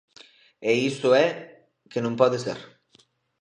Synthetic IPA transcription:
eist̪oe | kenũmpɔðesḛɾ

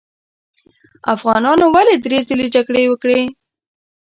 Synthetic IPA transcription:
a̰fɣɑnɑnowaled̪ɾezəled͡ʒaɡɽewəkɽe

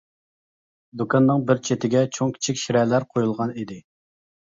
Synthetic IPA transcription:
d̪ukʰɑnːɨŋbɪɾt͡ʃʰet̪ʰɪɡʲɛt͡ʃʰoŋkʲʰi̥t͡ʃʰikʲʃiɾɛlæɾqʰojulˠʁɑnid̪ɪ

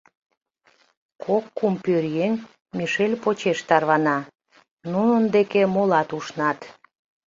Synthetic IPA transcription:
kʰokːumpøɾjeŋ | miʃelʲpot͡ɕeʃt̪ɑrβɑnɑ | nunənd̪ekemolɑt̪uʃnɑt̪

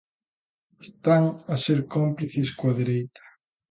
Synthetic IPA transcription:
est̪aŋɐseɾkompliθɪskwɐðeɾejt̪ɐ̥

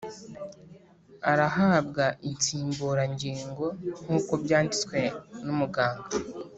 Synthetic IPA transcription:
aɾaɦabɡaʔint͡siːmbuːɾaɲɟiːŋɡo̞n̥uːko̞bjaːndit͡swe̞numuɡaːŋɡa

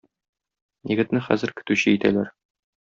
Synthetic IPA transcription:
jɘ̆ɡɘ̆t̪nɘχæ̰zɘ̆ɾkɵ̥̆t̪ʉɕɘit̪æ̰læɾ

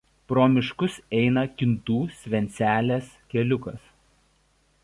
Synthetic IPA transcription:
pɾoːmʲɪʃkʊsɛɪnɐkʲɪnt̪uːsʲʋʲɛnʲt̪sʲæːlʲeːskʲɛlʲʊkɐs

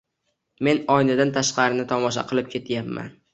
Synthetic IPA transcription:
me̞nɒjnad̪ant̪ʰaʃqɑɾɪnɪt̪ʰɒmɒʃ̬a̰qʰɨlˠɪp̚kʲʰe̞t̪ʰjapma̰n

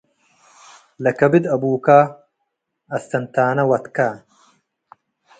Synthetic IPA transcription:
lɐkɐbid̪ɐbuːkaː | ɐst̪ɐnt̪aːnɐwɐt̪kaː

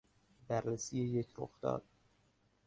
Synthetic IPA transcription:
bæɾːesijejecʰɾoxd̪ɒ̰ːd̪̥̚

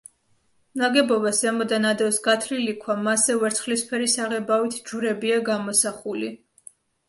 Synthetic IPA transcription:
mnaɡɛbɔbasamɔd̪anad̪ɛwsɡat̪ʰɾilikʰwamasɛvɛɾt̪sʰχlispʰɛɾisaʁɛbawit̪ʰd͡ʒuɾɛbiaɡamɔsaχuli

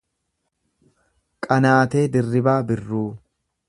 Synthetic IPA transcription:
kʼɐnaːt̪e̞ːd̪ɪrːɪbaːbɪrːuː

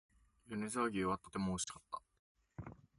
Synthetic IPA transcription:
jɯnezaɡʲiβat̪o̞t̪e̞mo̞ːɕi̥kat̪ːa

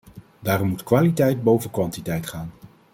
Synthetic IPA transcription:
daːrɔmutkʋaːlitɛjd̚bowvənkʋɑntitɛjtχaːn

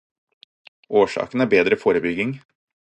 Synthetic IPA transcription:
ʔoːʃɑ̰ːkn̩æːɾbeːd̪ɾəfoːɾəbʏɡɪŋ

